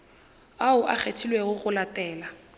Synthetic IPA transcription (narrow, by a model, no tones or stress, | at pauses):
aʊʔa̰k͡xʰetʰilweɣʊɣʊlatʼɛːla